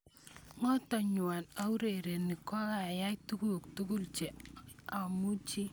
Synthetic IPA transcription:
ŋɔ˦tɔ˨ɲʊ˨wa˨na˦u˦ɾe˨ɾe˨ni˨kɔ˦ka˨ja˦jtu˦ku˦˨ktu˦ku˦lt͡ʃɛ˨a˨mu˦t͡ʃi˦

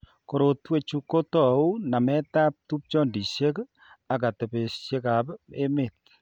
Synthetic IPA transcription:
ko˨ɾo˨twe˦t͡ʃu˦ko˦tɔ˨u˦na˨mɛ˦ta˦p̚tu˦p̚t͡ʃɔ˦ndi˨ʃe˦k | a˨ka˨tɛ˨pe˨ʃje˦ka˨pe˦me˨t̚

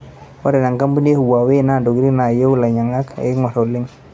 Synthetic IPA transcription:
wa˦ɾɪ˨na˨ŋka˦mbu˦n˦e˦hu˨wa˨we˦˨na˦˨ndo˨ɡi˦ɾi˦na˨jo˦la˨ɲa˨ŋa˦kḛ˨˦ŋɔ˨ɾo˨lɪ˦ŋ

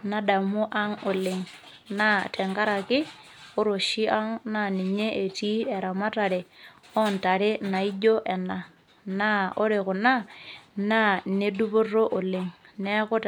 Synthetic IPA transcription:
na˦da˨mʊ˦ʔa˦ŋʊ˨lɪ˨ŋ | na˦tʰɛ˨ŋka˦ɾa˨kɪ˦ | ʊ˦ɾo˨ʃi˦a˦ŋna˦˨nɪ˨ɲe˦ʔe˨tiː˦ɛ˨ɾa˨ma˦ta˨ɾe˨ | ɔ˦nta˨ɾɪ˦na˨i˦d͡ʒo˦ʔɛ˨na˨ | na˦ʊ˦ɾɪ˨kʊ˨na˦na˦ne˦du˦bʊ˦ro˦ʔʊ˨lɪ˨ŋ | nɛ˦kʊ˦t

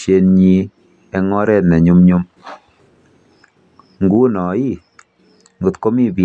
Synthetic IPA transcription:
je˧nɲi˦ | ɛ˦ŋɔ˦ɾɛ˦tnɛ˨ɲu˦mɲu˦m | ŋɡu˦nɔ˨i˦ | ŋɡʊ˨t̪ko˦mi˦bi˨

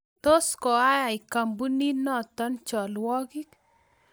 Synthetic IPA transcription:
t̪o˦skɔ˨a˦ja˨ɪ˨ka˨mbu˦ni˦nɔ˦tɔ˦nt͡ʃɔ˨lwɔ˦ki˦k

